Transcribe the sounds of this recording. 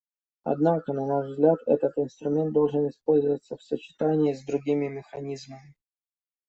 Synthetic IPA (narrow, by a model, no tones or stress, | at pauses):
ɐ̰d̪nakənɐnaʐvzɡlʲat̪ɛ̰t̪ət̪ɪnst̪ɾʊmʲent̪d̪o̞lˠʐɨnɪspo̞lʲzəvət̪səfsət͡ɕɪ̥t̪anʲɪːzd̪ɾʊɡʲimʲɪmʲɪxɐnʲizməmʲɪ